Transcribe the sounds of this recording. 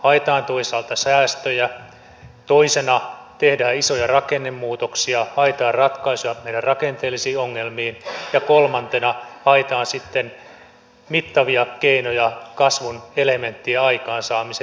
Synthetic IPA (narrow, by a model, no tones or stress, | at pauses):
hɑet̪ɑːnt̪oisɑːlt̪ɑsæːst̪øjæ | t̪oisenɑ | t̪ehdæːisojɑrɑkenːemːuːt̪oksiɑhɑet̪ɑːrrɑt̪kɑisuɑmeidærɑkent̪eːlːisiːoŋːelmiːnjɑkolmɑnt̪enɑhɑet̪ɑːnsit̪ːen | mit̪ːɑʋiɑkeinojɑkɑsʋunelement̪ːiæɑikɑːnsɑːmise